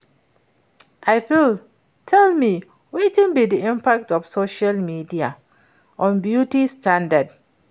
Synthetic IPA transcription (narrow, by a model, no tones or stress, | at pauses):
ʔaɪfil | tʰɛlmi | wetɪ̃ŋbidiĩmpak̚tɔfsoʃalmidia | ʔɔ̃nbjutistãndad